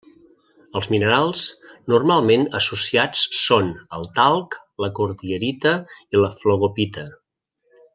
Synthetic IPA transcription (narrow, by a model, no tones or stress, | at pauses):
əlˠzminəɾalˠsnurmalˠmenəsusiat͡sːonəlˠt̪alˠk | ləkuɾðiəɾit̪əiləfloɣopit̪ə